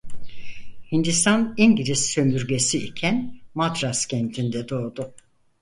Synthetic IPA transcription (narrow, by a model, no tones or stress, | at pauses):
hind̪ist̪ʰaniɲɟiɾisːømyɾɟe̞siicʰænmad̪ɾascʰɛnt̪ʰind̪ɛd̪o̞ːd̪u